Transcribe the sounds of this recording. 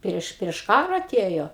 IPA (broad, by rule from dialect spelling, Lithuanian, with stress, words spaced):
ˈpʲrʲiɛʃ pʲrʲiɛʃ ˈkɑːrɐ ɐˈtʲeːjoː